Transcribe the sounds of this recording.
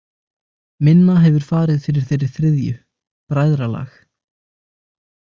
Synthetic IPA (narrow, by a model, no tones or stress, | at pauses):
mɪnːaɦɛvʏɾ̥faːɾɪðfɪɾɪɾ̥θejɾɪɾ̥θɾɪðjʏ̰ | pɾaːjðɾala̰x